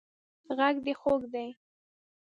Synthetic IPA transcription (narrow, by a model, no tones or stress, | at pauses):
ɣaɡd̪əxoɡd̪aj